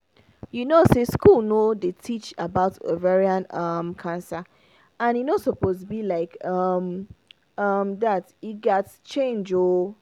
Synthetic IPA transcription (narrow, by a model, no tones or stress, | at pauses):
junoseskulnodetʰit͡ʃabaʊtə̰vɛɹiãnʌmkʰãnsa | ãninosɔpostbilaɪkʌm | ʌmdatiɡɛtt͡ʃẽnd͡ʒo